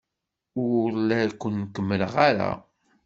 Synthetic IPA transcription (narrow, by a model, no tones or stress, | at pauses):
ʊɾlækʷːənːkːəmːəlʁaɾa̰